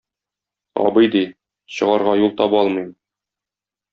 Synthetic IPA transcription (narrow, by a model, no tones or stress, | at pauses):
ɒ̰bɤjd̪i | ɕɤ̆ʁɑɾʁɑjulˠt̪ɒbɒlˠmijm